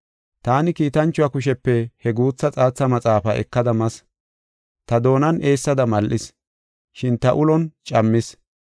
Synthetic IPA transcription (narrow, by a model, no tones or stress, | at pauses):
t̪aːnɪkiːt̪ɐnt͡ʃːʊwakʊʃ̬ɛpːɛhɛɡuːt͡sːɐt͡sʼaːt͡sːɐmɐt͡sʼaːfɐʔɛ̰kːɐd̪ɐmɐs | t̪ɐd̪o̞ːnɐne̞ːsːɐd̪ɐmɐlʔɪs | ʃɪnt̪ɐʔʊlɔnt͡ʃʼɐmːɪs